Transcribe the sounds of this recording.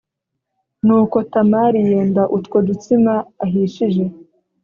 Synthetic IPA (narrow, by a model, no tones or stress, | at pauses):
nuːko̞tamaɾijeːndaʔutkwodut͡simaːɦiʃiʒe̞